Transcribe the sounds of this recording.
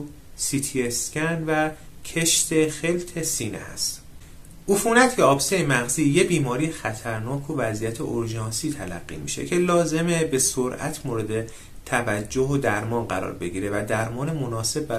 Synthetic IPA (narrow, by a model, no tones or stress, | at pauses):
sit̪ʰiescænvæcʰeʃt̪e̞xe̞lt̪ʰe̞siːnḛæ̰st̪ | ʔufuːnæt̪ʰjeɒːbsejemæɣziːjebiːmɒːɾijexæt̪ʰæɾnɒːkʰovæziːjæt̪ʰḛʔoɾʒɒːnsiːt̪ʰælæ̰ɢːḭmḭʃe̞̰cʰe̞lɒːze̞mebe̞soɾʔæ̰t̪ʰmoːɾe̞d̪e̞ | t̪ʰævæd͡ʒːoɦod̪æɾmɒːnɢæɾɒ̰ːɾbe̞ɟiːɾe̞væd̪æɾmɒːnemo̞nɒːse̞bːæ